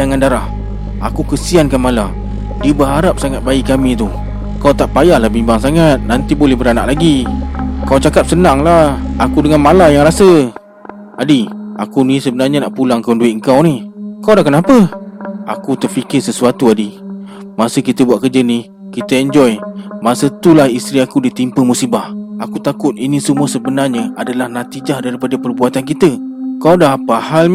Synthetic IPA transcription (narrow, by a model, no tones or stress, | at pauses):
aŋandaɾah | a̰kukəsiankanmala | diəbəɦaɾap̚saŋat̪̚baikamit̪u | kawt̪aʔpajahlahbimbaŋsaŋat̪̚nant̪ibolɛhbəɾanaʔlaɡi | kawt͡ʃakap̚sənaŋlahakudəŋanmalajaŋɾasə | adiakunisəbənarɲanaʔpulaŋkawnduɪt̪̚əŋ̩kawnihkawdahkənapəa̰kut̪ərfikɪrsəsuat̪uadi | masəkit̪əbuaʔkərd͡ʒənih | kit̪əɛɲd͡ʒɔjmasət̪ulahist̪ɾiakudit̪impəmusibahakut̪akʊt̪̚inisəmuəsəbənarɲəadalahnat̪id͡ʒahdaɾipadəpərbuat̪ank̬it̪əkawdaɦapahal